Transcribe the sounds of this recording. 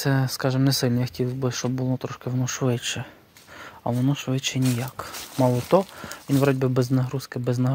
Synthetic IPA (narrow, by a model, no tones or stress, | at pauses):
t̪sɛskɑʒɪmnɛsɪlʲnjaxɔ̥tʲiwbɪʃt͡ʃɔbbʊlˠɔt̪ɾɔʃkɪʋnɔʃʋɪt͡ʃɛ | ɐɔnɔʃʋɪt͡ʃɛnʲijakmɑlˠɔt̪ɔʋʲinʋɾɔdʲbʲɪbɛznɐɦɾuskɪbɛznɐɦ